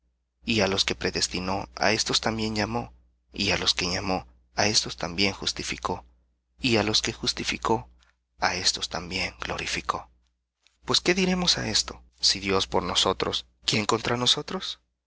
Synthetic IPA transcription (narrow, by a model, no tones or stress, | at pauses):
ialo̞ske̞pɾe̞ðe̞st̪ino̞a̰e̞st̪o̞st̪ambje̞nʝamo̞ | ialo̞ske̞ɲamo̞ | aest̪o̞st̪ambje̞ŋxust̪ifiko̞ | ialo̞ske̞xust̪ifiko̞ | ae̞st̪o̞st̪ambje̞ŋɡlo̞̰ɾifiko̞ | pwe̞ske̞ðiɾe̞mo̞sae̞st̪o̞ | siðjo̞spo̞ɾno̞so̞t̪ɾo̞s | kjeŋko̞nt̪ɾano̞so̞t̪ɾo̞s